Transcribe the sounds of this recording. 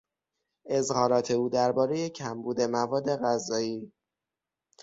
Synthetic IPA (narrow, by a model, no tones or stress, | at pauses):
ʔe̞zhɒːɾɒːt̪ʰe̞uːd̪æɾbɒːɾeje̞cʰæmbuːd̪e̞mævɒːd̪ːe̞ɣæzɒːiː